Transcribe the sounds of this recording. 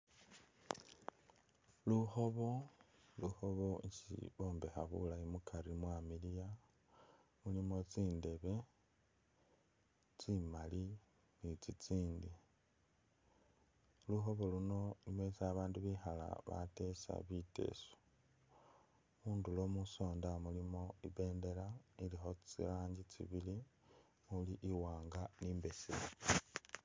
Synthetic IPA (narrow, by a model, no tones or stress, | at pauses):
luxo̞βo̞luxo̞βo̞sḭβo̞ːmbe̞xaβulaimukʰaɾimwamilija | mulimo̞t͡siːnde̞βe̞ | t͡simali | nit͡sit͡siːndi | luxo̞βoluno̞nimesaβaːnduβixala̰βa̰te̞sa̰βite̞̰so̥ | muːndulo̞muso̞ːndamulimo̞iβe̞ːnde̞lailixo̞t͡siaːɲɟit͡sḭβili | muliʔiwaːŋɡaniːmbe̞sḭo